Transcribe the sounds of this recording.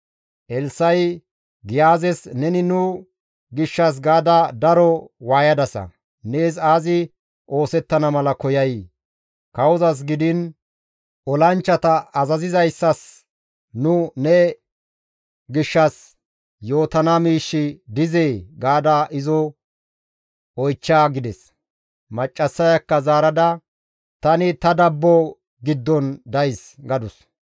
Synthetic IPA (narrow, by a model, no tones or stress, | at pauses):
ʔɛlsɐj | ɡɪjaːzɛsnɛnɪnʊ | ɡɪʃːɐs̬ɡaːd̪ɐd̪ɐɾɔwaːjɐd̪ɐsɐ̰ | neːs̬aːzɪ | ʔo̞ːsɛt̪ːɐnɐmɐlɐkɔjɐj | kɐwɔzɐs̬ɡɪd̪ɪn | ʔɔlɐnt͡ʃːɐt̪ɐɐzɐzɪzɐjsːɐs | nʊnɛ | ɡɪʃːɐs | jo̞ːt̪ɐnɐmiːʃːɪd̪ɪzeːɡaːd̪aʔɪzɔ | ɔjt͡ʃːaːɡɪd̪ɛs | mɐt͡ʃʼːɐsːɐjɐkːɐzaːɾɐd̪ɐ | t̪ɐnɪt̪ɐd̪ɐbːɔ | ɡɪd̪ːɔnd̪ɐjs | ɡɐd̪ʊs